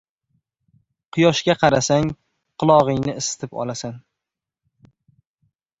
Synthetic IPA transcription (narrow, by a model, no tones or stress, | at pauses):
qʰʊjɒʃɡʲaqʰɑɾasaŋ | qʰʊlˠɒʁɨŋnɪɪst̪ʰɪpɒ̰lˠasan